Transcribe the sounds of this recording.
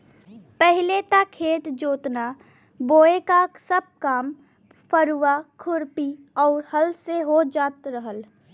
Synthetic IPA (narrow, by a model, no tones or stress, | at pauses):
pɛɦɪlet̪akʰeːt̪d͡ʒoːt̪na | boːekasəb̚kaːm | pəɾuʋakʰʊɾpi | ɔːɾhəlseɦod͡ʒaːt̪ɾəɦəl